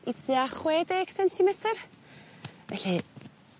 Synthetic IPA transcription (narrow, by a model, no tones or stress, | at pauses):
itʰɨaχweːdeːɡ̥sɛntʰimɛtʰər | vɛ̰ɬi